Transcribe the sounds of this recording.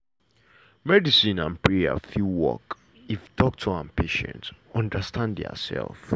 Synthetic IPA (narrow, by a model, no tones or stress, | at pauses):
mɛdisĩnãnpʰɹɛə̰filwɔ̰k | iftʰɔk̚tʰuãmpʰeʃɛ̰̃ntɔ̃ndəstʰãndɔ̰sɛ̰lˠf